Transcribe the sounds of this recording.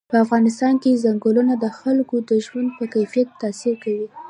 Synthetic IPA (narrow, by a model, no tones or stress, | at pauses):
pəafɣɑnɪst̪ɑnkezaŋɡolunad̪əxalkod̪əʒwand̪̚pəkajfijat̪ːasiɾkawi